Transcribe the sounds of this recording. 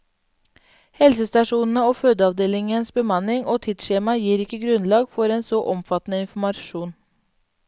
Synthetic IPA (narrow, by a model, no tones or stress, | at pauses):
hɛlsəst̪ɑʂuːnn̩əoːføːd̪əɑʋd̪eːlɪŋənsbəmɑnɪŋoːt̪ʰɪd̪ʃeːmɑjiːɾɪkːəɡɾʉnlɑːɡfɔɾeːnsɔʔɔmfɑt̪nəɪnfmɑʃuːn